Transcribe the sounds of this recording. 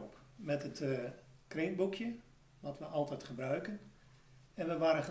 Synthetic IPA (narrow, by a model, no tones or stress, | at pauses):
p | mɛtətkreːnbukʰjə | ʋɔtʋəʔɑlˠtɛjtχəbrœɥkən | ɛnʋəʋaːɾəχə